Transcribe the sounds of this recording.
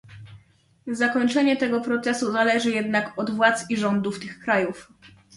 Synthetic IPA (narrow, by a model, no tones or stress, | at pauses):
zakɔɲt͡ʂɛɲɛt̪ɛɡɔpɾɔt̪sɛsuzalɛʐɘjɛd̪nakɔd̪vwat̪siʐɔnd̪uft̪ɘxkɾajuf